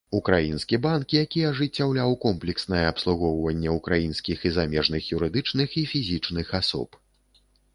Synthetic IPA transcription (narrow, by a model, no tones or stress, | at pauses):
ukɾajinskʲibankjakʲiɐʐɨt͡sʲːawlʲawkɔmplʲɛksnɐjɛːpslˠuɣɔwvɐnʲːɛukɾajinskʲixizamʲɛʐnɨxjuɾɨd̪ɨt͡ʂnɨxifʲizʲit͡ʂnɨxasɔ̰p